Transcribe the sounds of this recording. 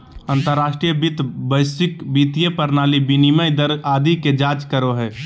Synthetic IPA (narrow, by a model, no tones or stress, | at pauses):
ənt̪əɾːasʈɾijəbit̪bəɪsɪkbit̪ijepəɾnaːlibiniməjd̪əɾaːd̪iked͡ʒaːt͡ʃkəɾoɦɛː